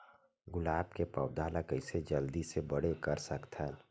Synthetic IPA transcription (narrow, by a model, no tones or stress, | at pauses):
ɡʊlaːbkepəʊd̪ʱaːlakəɪsed͡ʒəld̪isebəɽekəɾsəkt̪ʰəl